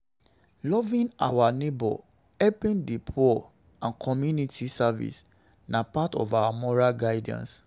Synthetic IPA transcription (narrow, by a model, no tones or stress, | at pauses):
lɔvĩna̰wanebɔ̰ | ɛpĩndipʰɔ | ãnkʰɔmjunitʰisavḭs | napatɔ̰vawamɔɹalɡaɪdã̰ns